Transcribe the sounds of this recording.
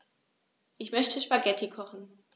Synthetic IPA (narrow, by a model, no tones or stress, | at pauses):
ʔɪçmœçtʰəʃpaɡɛtʰikʰɔχn̩